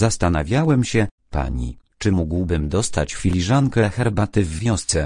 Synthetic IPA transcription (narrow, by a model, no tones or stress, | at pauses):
zast̪ana̰vʲjawɛmɕɛ | pa̰ɲḭt͡ʂɘmuɡwbɘmd̪ɔst̪a̰t͡ɕfʲilʲiʐaŋkɛxɛɾbat̪ɘvːʲjɔ̃st̪sɛ